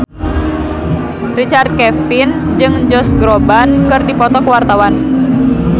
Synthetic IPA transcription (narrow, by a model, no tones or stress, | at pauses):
rit͡ʃart̪̚kɛfind͡ʒɨŋd͡ʒɔsɡɾɔbankɨrdipɔt̪ɔkəwart̪awan